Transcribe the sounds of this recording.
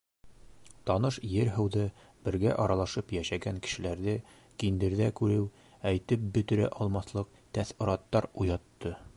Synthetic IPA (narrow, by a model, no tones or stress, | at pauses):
t̪ɒnɤʃjɘɾɦɤ̆wðɤ | bɘ̆ɾɡæʔɒɾɑlˠɑʃɤpjæʃæɡæŋkɘ̥̆ʃɘ̆læɾðɘ | kind̪ɘ̆ɾðækʉɾɘw | æjt̪ɘp̚bɵ̆t̪ɘ̆ɾæ̰ʔɒlˠmɑθlˠɤq̚ | t̪æθŏɾɑt̪ːɑɾujɑt̪ːɤ